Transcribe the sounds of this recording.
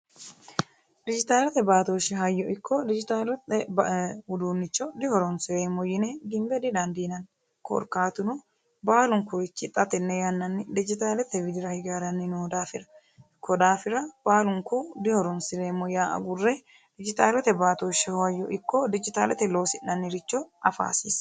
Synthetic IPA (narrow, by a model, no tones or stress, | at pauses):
d̪ɪd͡ʒɪt̪aːlɛt̪ɛbaːt̪oːʃːɛɦɐjːɔʔɪkːɔd̪ɪd͡ʒɪt̪aːlɛt̪ɛ | ʊd̪uːnːɪt͡ʃːɔd̪ɪhɔɾɔnsɪɾeːmɔjɪnɛɡɪmbɛd̪ɪd̪ɐnd̪inɐn | kɔ̰ɾkaːt̪ʊnɔ | baːlʊŋkɔɪt͡ʃːɪt̪ʼːɐt̪ɛnːɛjɐnːɐnːɪd̪ɪd͡ʒɪt̪aːlɛt̪ɛwɪd̪ɪɾɐhɪɡaːɾɐnːɪnod̪aːfɪɾɐ | kʰːɔd̪aːfɪɾɐb̥aːlʊŋkɔd̪ɪhɔɾɔnsɪɾeːmːɔjaːʔɐ̰ɡʊrːɛ | d̪ɪd͡ʒɪt̪aːlɛt̪ɛbaːt̪oːʃːɛhɔɐjːɔʔɪkːɔd̪ɪd͡ʒɪt̪aːlɛt̪ɛlo̞ːsɪnːɐnːɪɾɪt͡ʃːɔɐfa̰ːsis